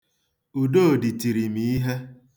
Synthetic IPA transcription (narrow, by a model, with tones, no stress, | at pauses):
u˨do˦o˨di˨ti˨ɾi˨mi˨˦i˦ɦe˦